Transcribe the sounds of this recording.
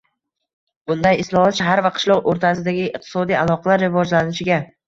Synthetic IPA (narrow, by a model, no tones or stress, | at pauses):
b̥ʊnd̪ajɪslˠɒhɒt̪ʃaɦaɾvaqʰɨ̥ʃlˠɒqoɾt̪ʰasɪd̪aɡʲɪːq̚t̪ʰɪ̥sɒd̪ijalˠɒqʰɑlaɾːɪvɒd͡ʒlanɪʃɪɡʲa